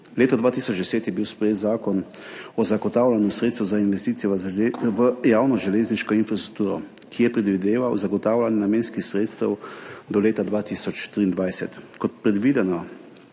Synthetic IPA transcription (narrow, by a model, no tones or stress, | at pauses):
leːt̪ɔd̪ʋaːt̪isɔd͡ʒd̪ɛseːt̪jɛbiwspɾɛjeːt̪zaːkɔn | ɔzaɡɔt̪aːwlanjusɾet̪st̪uzainʋɛst̪iːt̪ijɛʋəjaːwnɔʒɛleːzniʃkɔinfɾast̪ɾu̥k̚t̪uːɾɔ̰ | kʰijɛpɾɛd̪ʋid̪eːʋawzaɡɔt̪aːwlʲanjɛnameːnskixsɾeːt̪st̪ɛwd̪ɔleːt̪ad̪ʋaːt̪isɔt͡ʃt̪ɾiːnd̪ʋajsɛt̪kɔt̪̚pɾɛd̪ʋiːd̪ɛnɔ